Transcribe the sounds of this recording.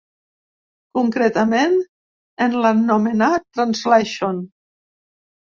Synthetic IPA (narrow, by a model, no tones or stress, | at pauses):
kuŋkɾet̪amẽn | enlanːomenat̪ːɾanzleʃon